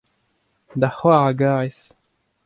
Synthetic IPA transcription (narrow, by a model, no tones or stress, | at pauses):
d̪aχwaʁaɡaʁes